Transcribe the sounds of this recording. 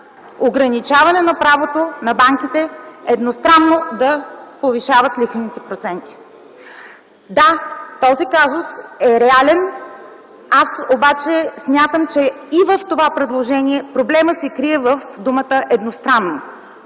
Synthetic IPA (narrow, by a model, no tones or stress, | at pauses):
oɡɾɐnit͡ʃavɐnɛnɐpɾavot̪onɐbaŋkit̪ɛɛd̪nost̪ɾanːod̪ɐpoviʃavət̪lixnit̪ɛpɾot̪sɛnt̪i̥ | d̪at̪ɔzikazʊsɛɾɛalɛn | asobat͡ʃɛsmʲjat̪əmt͡ʃɛivəft̪ovapɾɛd̪lˠoʒɛniɛpɾoblɛməsɛkɾiɛvəfd̪umət̪əʔɛd̪nost̪ɾanːo